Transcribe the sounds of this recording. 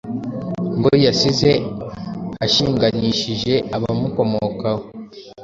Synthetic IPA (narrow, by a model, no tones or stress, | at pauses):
ŋɡojasize̞ | aʃiːŋɡaɲiʃiʒe̞ʔaβa̰muko̞mokaho